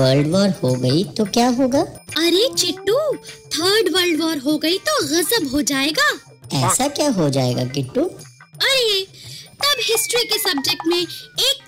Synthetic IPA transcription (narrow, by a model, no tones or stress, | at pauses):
ʋəːɾlɖʋəːɾhoɡɐit̪okjaːɦoːɡaːɐɾet͡ʃɪʈːut̪ʰəːɾɖʋəːɾlɖʋəːɾɦoɡɐit̪oɣɐzəbɦod͡ʒaːeːɡaː | ɛːsakjaːɦod͡ʒaːḛːɡa̰ɡɪʈːu | ɐɾet̪ɐbɦɪsʈɾikesɐb̚d͡ʒek̚ʈmẽeːk̚